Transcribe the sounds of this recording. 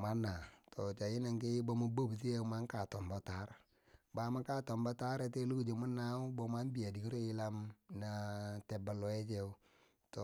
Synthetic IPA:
ma˦na˨tʰo˨t͡ʃa˨ji˦na˨ŋki˦bo˦mo˦bo˦bs̬i˦e˦u˦ma˦ŋ˦ka˨tɔ˨mbo˦ta˨˦ɾ | ba˨˦ma˦ka˦to˨mbo˦ta˦ɾe˨te˦lu˦ku˨d͡ʒo˨mu˦nːa˦u˦bo˨ma˦n˦bi˨a˨di˨ki˦ɾo˦ji˦la˦mna˨te˨ba˨lɔ˨e˦t͡ʃe˦u˦ | to˨

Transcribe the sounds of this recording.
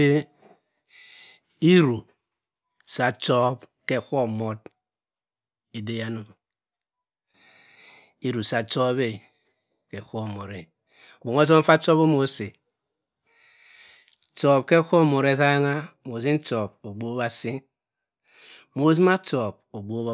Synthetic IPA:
e˦ | i˦ɾu˨ | sa˨t͡ʃɔ˦bke˦kʷo˦mo˦d | e˨de˦ja˦no˨m˨ | i˦ɾu˨sa˨to˦βe˦˨ | ke˨kʷo˦˨mo˨ɾe˨ | bo˨ŋo˦s̬o˦m̩˦fa˦to˦bo˦mo˨˦se˨ | to˨b̚ke˦kʷo˦˨mo˨ɾe˦sa˦ŋa˦mo˨zi˦n̩˦to˨b̚o˨ɡ͡bo˦βa˦si˦n | mo˨z̬i˦ma˦to˨b̚o˨ɡ͡bo˦b

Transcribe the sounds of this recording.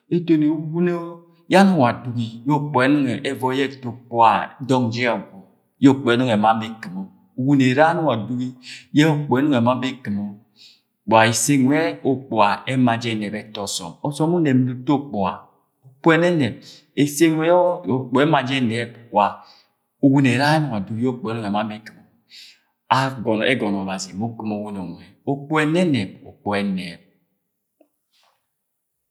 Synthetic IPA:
e˨to˨ne˨u˨wu˦ne˦o˦ | ja˦nu˦˨wa˨du˨ɡi˦jo˦k͡po˨ɛ˨nu˦ŋɛ˨ɛ˨vɔ˨˦jɛ˦to˨k͡po˨a˨dɔ˦ŋd͡ʒɛ˦ɔ˨ɡɔ˨ | jo˦˨k͡pɔ˨ɛ˦nu˦ŋ˨ɛ˨ma˦be˦ki˨mo˨ | u˨wu˦ne˨ɾa˦nu˦˨a˨du˦ɡi˦jɛ˦o˦˨k͡po˨ɛ˦nu˦ŋɛ˨ma˦be˦ki˨mo˨ | k͡pa˨e˨se˦ŋwɛ˦o˨k͡po˨a˨ɛ˦ma˨d͡ʒɛ˦˨nɛ˨bɛ˦tɔ˦sɔ̰˨mɔ˨sɔ˦u˦nɛ˨m˨nu˨to˦k͡po˨a̰˨ | o˨k͡po˦ɛ˦nɛ˦nɛ˨b̚ | e˨se˦ŋʷ˦ɛ˦o˨k͡po˨ɛ˦ma˨d͡ʒɛ˦nɛ˨˦bwa˨ | o˨wu˦ne˨ɾa˦m˨wa˨du˨i˦o˦k͡po˨˦no˦ŋ˨e˨ma˦be˦ki˨mo˨ | a˦ɡɔ˨nɛ̰˦ɡɔ˨n˨ɔ˨ba˨zi˨mo˦ki˦mo˨wu˦no˨ŋwɛ˨o˦k͡po˦ɛ˨nɛ˦nɛ˨bo̰˨k͡po˨ɛ˦ne˨b̚

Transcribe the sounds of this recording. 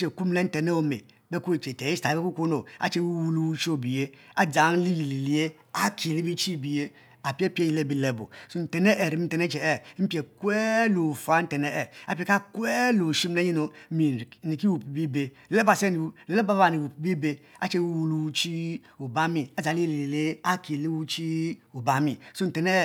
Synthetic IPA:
t͡ʃe˨ku˦m˦le˦n̩˦te˨ne˦o˦mḛ˨ | be˦ku˦e˨t͡ʃe˨te˨ji˦sta˨i˦be˦ku˦ku˦no˨a̰˦t͡ʃe˦wu˦wu˦lu˦wu˦t͡ʃi˦o˦˨bi˨je˦ | a˦d͡za˨˦n˦li˦li˨li˨li˨e˦ | a˦kʰi˨ɾi˦bi˦t͡ʃi˦˨bi˨je˦ | a˨pe˦pe˦i˨le˦bi˨le˨bo̰˨su˦n̩˨te˨ne˦ʔe˨ɾi˨mi˦n̩˨te˨ne˦t͡ʃe˨ɛ˦m̩˦pi˦e˨kʷe˦lo˨fa˦n̩˦te˨ne˦ɛ˨a˨pi˨e˨ka˦kɛ˦lo˨ʃi˦m˦e˦ɲi˦no˨mi˨ni˨ki˦wu˨pbi˦be˨ | le˦ba˨se˦ni˨˦le˨le˦ba˦a˨ni˨wu˨pbi˦be˦a̰˦t͡ʃe˦wu˦wu˦lu˦u˦t͡ʃi˦ | u˨ba˦mi˨a˨d͡za˨li˦i˦˨li˨li˨li˦e˦a˦ki˨li˦wu˦t͡ʃi˦u˨ba˦mi˨su˦n̩˨te˨ne˦˨

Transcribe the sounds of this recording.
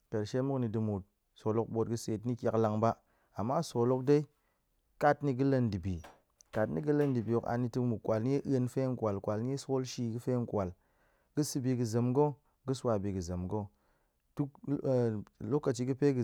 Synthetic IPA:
te˨ɾʃe˦mu˦kni˧dɨ˧mu˨t̚ | so˨lo˦k̚ɓo˧t̚ɡɨ˧se˨tni˦kʲa˨kla˧ŋba˦ | a˨mːa˦so˨lo˦k̚de˦i˦ | ka˦tni˧ɡɨ˦le˧ndi˨bḭ˨ | ka˨tni˦ɡɨ˦lə˦ndi˨bi˨o˨ka̰˧ni˧tɨ˧kmu˨kʷa˨lni˦je˦ʔə˧nfe˦ŋ˦kʷa˨lkʷa˨lni˦je˦so˦lʃi˧ɡɨ˦fe˦ŋ˦˨kʷa˨l | ɡ̥ɨ˦sɨ˧bi˧ɡɨ˧zə˨mɡo˦ | ɡɨ˦swa˧bi˧ɡɨ˨zə˨mɡo˦ | tu˦kː | lo˦kːa˨t͡ʃi˧ɡɨ˦pe˦ɡɨ˨

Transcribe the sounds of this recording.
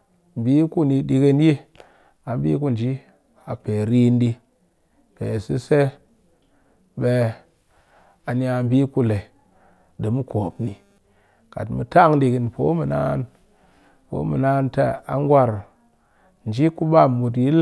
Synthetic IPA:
m˨bi˦ku˦ni˧ɗi˧ke˧n˦ji˦ | a˨mbḭ˦k̬u˦˨n˨d͡ʒi˦ | a˨pe˨ɾi˦ndi˧ | pḛ˨si˦se˦ | ɓe˧ | a˨ni˦a˧m̩˦bi˦ku˦˨le˨ | di˨mu˦ko˨pni˨ | ka̰˨tmu˨ta˦˨ŋdi˧ki˦npo˨˦mu˨na̰˦n | po̰˨˦mu˨na˦nte˦˨a̰˦ŋ˦ɡwa˦ɾ | n˨d͡ʒi˦ku˦ɓa˦˨mu˨t̬ji˦l

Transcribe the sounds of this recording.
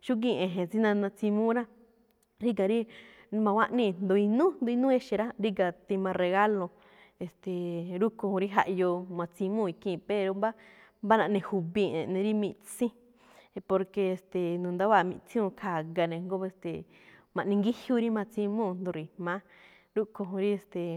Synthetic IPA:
ʃu˦k̬ĩ˦˧˨ʔẽ˨ɦẽ˨t͡si˦nã˧nã˧t͡sĩ˧mũ˦ɾã˦ | ɾi˦ɡa˨ɾi˦mã˧wʷã˦ʔnĩ˦˧nd̪o˧i˧nũ˦nd̪o˧i˧nũ˦e˧ʃe˧ɾa˦ɾi˦ɡa˨t̪i˧mã˧re˧ɣa˦lõ˧ | e˨st̪e˨ɾu˦kõ˧hũ˧ɾi˦ɦa˧ʔjo˧mã˧t͡sĩ˧mũ˦˧i˧kĩ˧˨pe˧ɾo˧mba˦ | mba˦nã˧ʔnẽ˧hu˧βĩ˧˨ḛ̃˨nẽ˧ɾi˦mĩ˧ʔt͡sĩ˦˧ | po˧ɾke˧e˧˨st̪e˨nũ˨nd̪a˦βa˦˧˨mḭ̃˧t͡sĩ˦ũ˧kʰa˨ɡa˧nẽ˧ŋɡo˦e˧st̪ḛ˨ | mã˨ʔnĩ˧ŋɡi˦hju˦ɾi˦mã˧t͡sĩ˧mũ˦˨nd̪õ˧ɾi˨mã˧˦ | ɾu˦ko˧ɦũ˧ɾi˦e˧st̪e˨

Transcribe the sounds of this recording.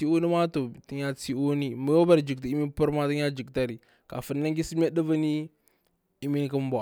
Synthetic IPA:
i˦u˦ni˦ma˦to˨ti˦ɲa˦t͡si˦o˦ni˦mu˨jo˦ba˦ɾd͡ʒi˨kta˨i˦mi˦pu˦ɾma˦tə˦ɲa˦d͡ʒi˨kta˦ɾi˨ | ka̰˨fə˨nː˦a˦ŋɡi˦si˦m˦a˦də˦va˦ni˦ | i˦mi˦n˦kə˦m˦ba˨

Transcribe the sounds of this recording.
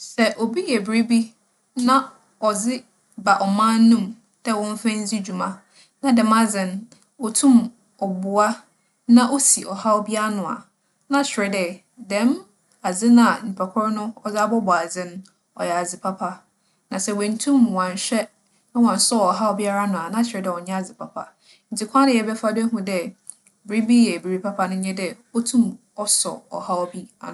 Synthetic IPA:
sɛ˨ʔo˨bi˦jɛ˨bɾi˦bi˦ | nã˦ | ɔ˨d͡zɪ˦ | ba˨ʔɔ˨mã˦nː˦ũ˦˨m | d̥ɛ˦wɔ̃˦ɱ˦fɛ̃˦n˦d͡zi˦d͡ʑu˨mã˨ | nã˦dɛ̃˨ma˦d͡zɪ̃˨n | ɔ˨tʰũ˦m | ɔ˨bʊ˨a˦ | nã˦ʔo˦si˨ʔɔ˨ha˦o˦bi˦a˦a˦nʊ̃˨a̰˨ | nã˦ɕᶣɪ˨ɾɛ˨dɛ˦˨ | dɛ̃˦m | a˨d͡zɪ̃˦nã˦a˨m̩˨pʰɛ˨kʰɔ˦ɾnʊ̃˦ɔ˦˨d͡za˦bɔ˦bɔ˨a˨d͡zɪ̃˦n˦ | ɔ̰˨jɛ˨a˨d͡zɪ˨pʰa˦pʰa˦ | nã˨sɛ˨wɛ̃˨n̩˨˦tʰũ˦mwã˨ɲ˨ɕᶣɛ˦ | nã˦wã˨n˨sɔ˦ɔ˨ɦa˦wbi˦a˦ɾa˦nʊ̃˨a˨nã˦t͡ɕʰᶣɪ˨ɾɛ˨dɛ˨ɔ˨ɲɛ̃˦a˨d͡zɪ˨pʰa˨pʰa̰˨ | n̩˨tʰi˨kʰʷã˦nɪ˨ɛ˨bɛ˦fa˦dɛ˦ɦũ˨dɛ˨ | bɪ˨ɾi˦bi˦jɛ˨bi˨ɾi˦pʰa˦pʰa˦nʊ̃˦ɲɛ̃˦dɛ˦ | ɔ˦tʰũ˦m | ɔ˦sɔ̰˨ɔ̰˨ha˦wbi˦a̰˨ñ˨

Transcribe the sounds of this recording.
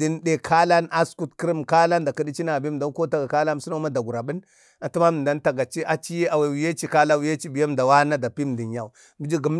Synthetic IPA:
di˦n˦de˨kʰa˦la˦nʔa˦sku˦tki˦ɾi˦m˨ka˦la˦nda˨ki˦di˦t͡ʃi˦na˨bi˦m˨da˦ko˦ta˨ɡa˨ka˦la˦˨su˦na˦ma˦da˨ɡu˨ɾa˨bi˦n | a˨tu˦ma˦m˨da˦n˦ta˨ɡa˨t͡ʃi˦ʔa˨t͡ʃi˦je˦a˨we˨wi˨je˦t͡ʃi˦ka˦la˦wi˨˦je˦t͡ʃi˦bi˨ja˦m˨da˨wa˦na˦da˨pi˦m˨di˨n˨ja˨u˨ | mi˨˦d͡ʒi˦ɡi˨m˦

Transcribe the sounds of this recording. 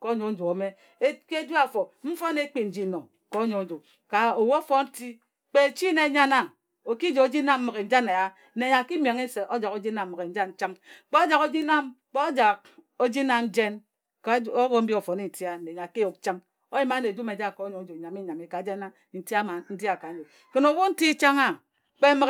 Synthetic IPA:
ko˦ɲo˨n̩˦d͡ʒo˨o˨˦me˦ | ke˦d͡ʒu˦a˦˨fo˨m̩˦fo˦ne˦k͡pi˦n̩˨d͡ʒi˦no˨ | ko˨˦ɲo˨n˦d͡ʒo˨ | ka˨o˨wo˦fo˦n̩˦ti˦ | k͡pe˦˨t͡ʃi˦ne˨˦˨ɲa˦na˦˨ŋ | o˨ki˦d͡ʒo˨o˦d͡ʒi˦na˦m̩˦mɨ˨ɣe˨n̩˨˦d͡ʒa˦ne˨ja˦ | ne˨ɲa˨ki˦m˨e˨ŋi˦se˨ʔo˦d͡ʒa˨ko˦d͡ʒi˦na˨m̩ː˦˨ɣe˨n̩˦d͡ʒa˦n̩˦t͡ʃa˦mk͡pe˦d͡ʒa˨ko˦d͡ʒi˦na˦m | k͡po˦d͡ʒa˨k̚o˦d͡ʒi˦na˦n̩˦d͡ʒe˦n | ko˦wo˦m̩˦bi˦o˨fo˨ni˦n̩˨ti˦a˦˨e˨ɲa˨ke˦jo˨k̚t͡ʃa˦ŋ | o˦ji˦ma˦ne˨d͡ʒu˦me˨d͡ʒa˦˨ko˨˦ɲo˨˦d͡ʒo˨ɲa˨mi˦ɲa˨mi˨ka˨d͡ʒe˦na˦n̩˨ti˦a˦ma˨n̩˦di˦a˨ka˨n˦d͡ʒo˨ | ke˨no˨wo˦n̩˦ti˦t͡ʃa˦ŋa˦˨ | k͡pe˦mɨ˨k

